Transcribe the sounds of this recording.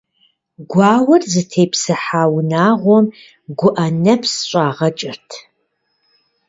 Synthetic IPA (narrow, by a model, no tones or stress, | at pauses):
ɡʷɑːwɐrzɨtʰeːpsɨħaːwnaːʁʷɔm | ɡʷʊʔɐnɐpʰsɕʷʼaːʁɐt͡ʃʼɪrtʰ